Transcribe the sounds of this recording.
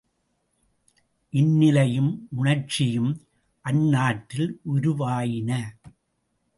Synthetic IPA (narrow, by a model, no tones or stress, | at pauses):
ʔɪnːɪlɐjɯmʊɳɐɾt͡ʃɪjɯm | ʔɐnːaːʈːɪlʔʊɾʊʋaːjɪnɐ